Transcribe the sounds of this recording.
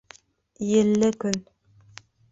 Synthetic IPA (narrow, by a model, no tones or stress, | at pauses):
jɘ̆lːɘkɵn